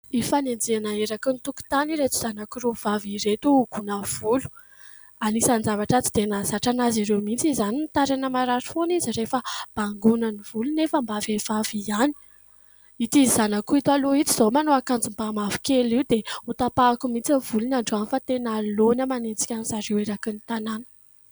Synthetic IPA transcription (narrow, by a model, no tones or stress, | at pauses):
ifanend͡zianaeɾakunit̪uku̥t̪aniɾet͡si̥z̥anakirov̥aviɾet̪uɡ̥unəv̥ulu̥ | anisand͡zavaʈ͡ʂat͡si̥d̪enazaʈ͡ʂanaziɾewmint͡sizaninit̪aɾanəmaɾaɾifonizirefəb̥aŋɡunəniv̥ulunefəmbavev̥aviani̥ | it̪izzanakuit̪ualoit͡siz̥omanoakand͡zimbamavi̥keliwd̪eut̪apakumint͡savulunaɳɖ͡ʐanifat̪enalonamanet͡si̥kʲanisaɾeweɾakinit̪ananə̥